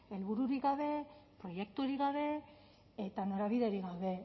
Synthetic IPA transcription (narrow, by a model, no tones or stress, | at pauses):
e̞lβuɾuɾikɡaβe̞pɾo̞je̞k̚t̪uoɾiɣɡaβe̞ | et̪ano̞ɾaβiðe̞ɾiɣawβe̞